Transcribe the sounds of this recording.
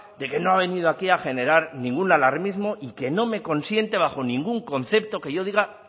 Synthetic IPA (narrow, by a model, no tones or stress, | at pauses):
d̪e̞ke̞no̞aβ̞e̞nið̞oakiaxe̞ne̞ɾaɾnĩŋɡunalaɾmizmo̞ʔike̞no̞me̞ko̞nsje̞nt̪e̞β̞axo̞nĩŋɡuŋko̞nθe̞p̚t̪o̞ke̞ʝo̞ðiɣa